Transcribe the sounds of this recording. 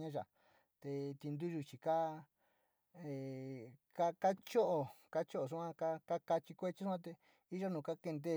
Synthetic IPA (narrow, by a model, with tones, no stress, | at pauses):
ɲã˦ʒa̰˨ | t̪e˧t̪i˧nd̪u˦ʒu˧t͡ʃi˨ka˦ | e˨ka˦ka˦t͡ʃo˦ʔo˨ka˦t͡ʃo˦ʔo˨ʂ̬u˦ã˦ka˦ka˦ka˧t͡ʃi˧kʷe˦t͡ʃi˦u˦ã˦t̪e˧ | i˦ʒo˦nũː˨ka˦ke˧nd̪e˦˧